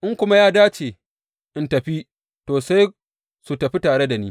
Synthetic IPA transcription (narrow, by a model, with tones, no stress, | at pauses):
ʔɪ˦ŋkʷʊ˦ma˦jaː˦daː˦t͡ʃeː˨ | ʔɪ˨ntɐ˨ɸi˦ | toː˨sa˦j | su˨tɐ˨ɸi˦taː˨ɽe˦da˨niː˦